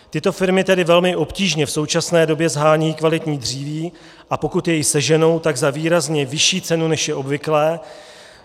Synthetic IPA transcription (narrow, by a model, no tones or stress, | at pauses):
t̪ɪt̪o̞fɪɾmɪt̪ɛdɪvɛlmɪʔo̞pciːʒɲɛfso̞wt͡ʃasnɛːdo̞bjɛzɦaːɲijikvalɪt̪ɲiːd̪r̝iːviː | ʔapo̞kut̪jɛjɪsɛʒɛno̞wt̪aɡzaviːɾazɲɛvɪʃiːt͡sɛnunɛʃjɛʔo̞bvɪklɛː